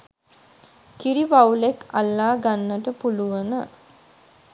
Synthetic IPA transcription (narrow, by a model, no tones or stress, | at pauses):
kiɾiʋawleka̰lːaːɡanːəʈəpuluʋənə